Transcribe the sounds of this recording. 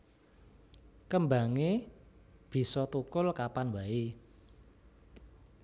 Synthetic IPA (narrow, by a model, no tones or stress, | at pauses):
kəmba̤ŋe | b̥i̤sɔt̪ukʊlkapanwai